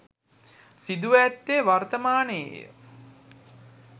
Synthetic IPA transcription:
sid̪uʋæt̪ːeʋart̪əmaːnəḛjə̰

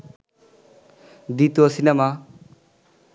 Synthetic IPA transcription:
d̪it̪oɐsinema

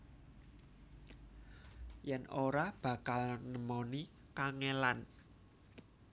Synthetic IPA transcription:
jɛnʔoɾab̥ä̤kalnəmoni | kaŋelan

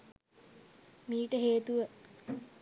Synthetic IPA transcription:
miːʈəɦeːt̪uʋə

